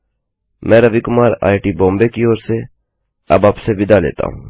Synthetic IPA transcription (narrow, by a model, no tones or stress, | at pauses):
mɛ̃ːɾɐʋikʊmaːɾa̰ːiʈibɔ̃ːmbekioːɾse | ɐ̰baːpseʋɪd̪alḛːt̪a̰ɦṵ̃ː